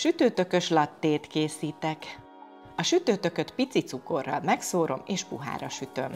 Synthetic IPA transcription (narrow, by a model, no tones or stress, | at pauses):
ʃyt̪øːt̪ø̞kø̞ʃlɒt̪ːeːt̪keːsiːt̪ɛk | ɒʃyt̪øːt̪ø̞køt̪pit̪sit̪suko̞̰rːɒ̰lmɛksoːɾo̞̰meːʃpuɦa̰ːɾɒʃyt̪ø̞m